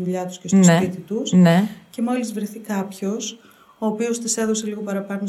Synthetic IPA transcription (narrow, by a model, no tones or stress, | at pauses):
ðuʎɐt̪u̥sce̞snepit̪it̪usnece̞mo̞lizvɾeθikɐpço̞s | o̞ːpio̞st̪ise̞ðo̞se̞liɣo̞pɐɾɐpɐɣno